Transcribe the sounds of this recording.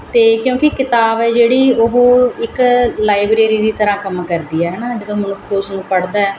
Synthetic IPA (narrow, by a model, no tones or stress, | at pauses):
t̪eːkjõːkɪkɪt̪aːbɛːd͡ʒeːɽiːʊɦɪklaːɪbɾeːɾiːd̪iːt̪əɾãːkəmkəɾd̪iːɛːɦɛːnãːd͡ʒɡ̪aːmənʊkʰːosnũːpəɽd̪aːɛː